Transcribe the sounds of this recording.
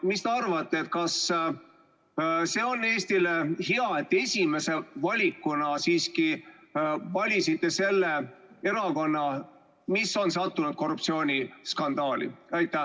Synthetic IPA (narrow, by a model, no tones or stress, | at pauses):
mist̪eɑrvɑt̪ːeet̪̚kɑs | se̞ːo̞nːe̞ːsʲt̪ile̞hiɑet̪ːe̞sʲime̞se̞vɑlʲikːunɑsiːski | vɑlʲisit̪ːˑe̞se̞lːe | e̞ɾɑko̞nːɑ | miso̞nsɑt̪ːunud̪̥̚ko̞rːup̚t̪sio̞ːnʲiskɑnd̪ɑːlḭɑjt̪ːˑæ